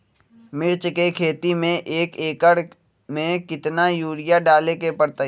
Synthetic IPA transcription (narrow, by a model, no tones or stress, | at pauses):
mɪɾt͡ʃkekʰeːt̪imẽʔeːkeːkəɽ | mẽkɪt̪najuːɾɪjaɖaːlekepɐɽt̪a